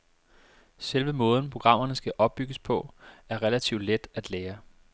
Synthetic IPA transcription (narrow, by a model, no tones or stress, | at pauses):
selʋəmɔ̽ːð̞ˠn̩pʰʁo̝ɡ̥ʁɑ̈m̰ɐnəsɡ̥æʔɒ̽b̥̚ːyɡ̥əspʰɒ̽æɐʁɛlæt͡sʰiʊ̰d̥led̥æd̥leːɐ